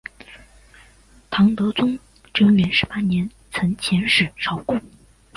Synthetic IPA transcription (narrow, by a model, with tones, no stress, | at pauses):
t̪ʰɑ˧˥ŋt̪ɤ˧˥t͡sʊ˥ŋ | ʈ͡ʂɤ˥ŋɥɛ˧˥nʂɻ̩˧˥pa˥njɛ˧˥n | t͡sʰɤ˧˥ŋt͡ɕʰjɛ˧˥nʂɻ̩˨˩ʂɑ˥ʊkʊ˥ŋ